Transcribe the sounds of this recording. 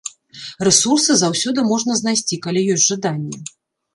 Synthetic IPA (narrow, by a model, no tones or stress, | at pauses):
rɛsursɨzawsʲɔd̪ɨmɔʐnɐzn̪ajsʲt͡sʲikalʲijɔsʲʐad̪anʲːɛ